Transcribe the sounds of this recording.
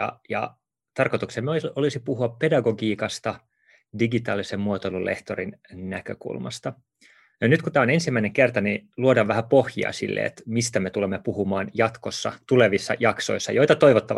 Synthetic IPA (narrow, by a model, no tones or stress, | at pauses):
jɑ̰jɑ̰ | t̪ɑrko̞t̪uksemːolisipuhuɑppe̞dɑɡoɡiːkɑst̪ɑ | diɡit̪ɑːlisemmuot̪olulʔḛht̪oɾinnæ̰køkṵlmɑ̰st̪ɑ | jonyt̪kut̪æːonensimːæineŋkert̪ɑniluodɑʋʋæhæpohjḭɑ̰sḭlːḛḛt̪mist̪æmet̪ulemːepuhumɑːnjɑt̪ko̞sːɑ̰t̪uleʋisːɑ̰jɑkso̞̰isːɑjo̞jt̪ɑt̪o̞iʋot̪ːɑʋ